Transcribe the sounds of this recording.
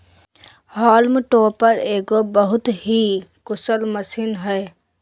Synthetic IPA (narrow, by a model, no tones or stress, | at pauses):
ɦaːlmʈoːpəɾeːɡobəɦʊt̪ɦikʊsəlmɐsinɦɛː